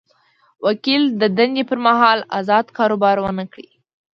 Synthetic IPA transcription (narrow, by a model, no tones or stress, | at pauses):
wakild̪əd̪and̪epəɾmaɦɑla̰zɑd̪kɑɾobɑɾwənəkɽḭ